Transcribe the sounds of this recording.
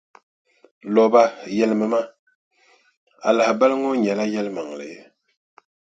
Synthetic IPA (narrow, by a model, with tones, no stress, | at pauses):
lɔ˨ba˦jɛ˨lmə˨ma˦ | a̰˨la˨hba˦lŋo˦ɲɛ˨la˦jɛ˦lma˨ŋ˨lɨ̰˨je˦